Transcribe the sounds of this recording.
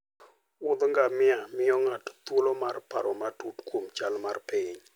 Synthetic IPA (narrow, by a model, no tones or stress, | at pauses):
ʊd̪ŋɡamɪamɪɔŋatt̪olɔmarpa̰ɾɔmatutkʰomt͡ʃalmarpɪɲ